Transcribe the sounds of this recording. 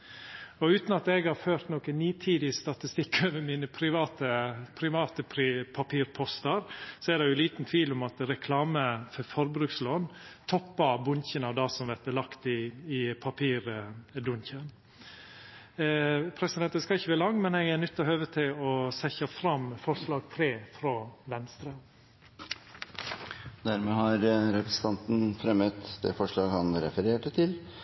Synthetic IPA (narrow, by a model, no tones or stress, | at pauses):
ɔʉːt̪n̩ɑt̪ɛɡhɑɾføːɾt̪noːkəniːt̪ʰiːd̪ɪəst̪ɑt̪ɪst̪ɪkːøʋɛmiːnəpʰɾɪʋɑːt̪əpʰɾɪʋɑːt̪əpʰɾɪpʰɑpʰiːɾpʰɔst̪əɾsɔɛd̪ɛjʊliːt̪nt̪ʰʋiːlʊmɑt̪ɾɛkʰlɑːməfɔɾfɔɾbɾʉːksloːnt̪ʰɔpːɑbʊnçənɑʋd̪ɑsɔmʋɛɾt̪əlɑkt̪ɪːpʰɑpʰiːɾd̪ʊnçən | pʰɾɛsɪd̪ɛnt̪əskɑɪçːəʋæːɾlɑŋːmɛnɛɡænʉt̪ːɔhøːʋət̪ʰɪlɔsɛçɑfɾɑmfɔʂɭɑːɡ̚t̪ʰɾeːfɾoːʋɛnst̪ɾə | d̪æɾmɛːhɑɾɾɛpɾəsə̥n̩t̪ʰɑnt̪n̩fɾɛmːət̪d̪ɛ̰fɔʂɭɑːɡhɑnɾɛfəɾeːʈət̪ʰɪl